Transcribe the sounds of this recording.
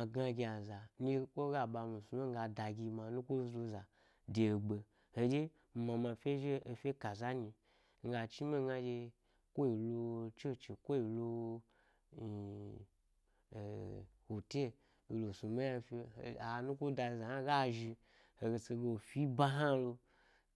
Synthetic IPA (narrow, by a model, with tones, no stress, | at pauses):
a˧ɡa˧ɡʲi˧a˨za˨ni˦kʷo˦ɡa˦ɓa˧mu˨su˧me˦ŋ̩˦ɡa˧da˧ɡʲi˧ma˨nu˦kʷo˦zlo˧za˨ | de˨ɡ͡be˧ | ho˧d͡ʒe˦˧ | ma˧ma˧˨fʲe˦ʒeː˦˧fʲe˦ka˨za˦ni˧ | ŋ̩˦ɡa˧t͡ʃi˦me˦ɡa˧d͡ʒe˧ | kʷo˦i˨lo˧t͡ʃe˦˨t͡ʃi˨kʷo˦i˨lo˧˨ | ho˨te˦˨ | o˨˧lo˨su˧ma˦ja˧fḛ˧˨a˨nu˦kʷo˦da˧za˨na˦ɡa˦ʒi˧ | ho˨ɡe˧t͡se˧ɡe˧wo˨fi˦ba˦ɦa˦lo˧